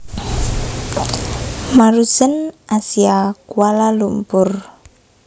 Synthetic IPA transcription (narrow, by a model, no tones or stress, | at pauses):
maɾusənʔasiakuwalalumpʊr